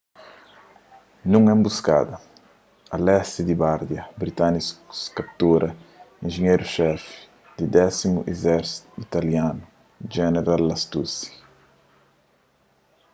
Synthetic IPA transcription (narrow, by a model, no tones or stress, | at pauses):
nũŋɛmbuska̰d̪ɐ | ɐlɛst̪id̪ibaɾd̪jɐbɾit̪anisskap̚t̪uɾʔɐĩnʒiɲejɾuʃɛfi̥ | d̪id̪ɛsimuʔezɛɾsi̥t̪uit̪aljanu | d͡ʒɛneɾalːɐst̪usi̥